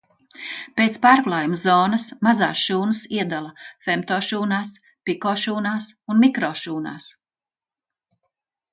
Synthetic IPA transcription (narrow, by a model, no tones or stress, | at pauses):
peːt̪spaːɾklˠaːjumzɔːnɐsmaza̰ːsʃuːnɨsiɛd̪alˠɐfemt̪ɔːʃuːnaːs | pikɔːʃuːnaːsunmikɾɔːʃuːna̰ːs